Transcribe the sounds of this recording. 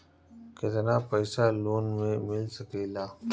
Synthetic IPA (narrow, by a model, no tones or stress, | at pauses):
ket̪ɐnaːpɛːsaloːnmẽmɪlsɐkeːlaː